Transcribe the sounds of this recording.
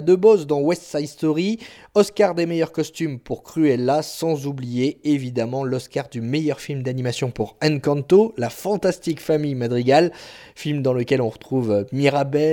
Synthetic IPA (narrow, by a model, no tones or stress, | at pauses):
d̪əbozd̪ɑ̃wɛst̪sajst̪ɔʁiɔskaʁd̪emejœʁkɔst̪ympuʁkχyɛlːasɑ̃zublijeevid̪amɑ̃lɔskaʁd̪ymejœʁfilmd̪animasjɔ̃puʁɛnkɑ̃nt̪olafɑ̃t̪ast̪ikfamijmad̪ʁiɡal | filmd̪ɑ̃ləkʲɛlɔ̃ʁət̪χuvmiʁabɛ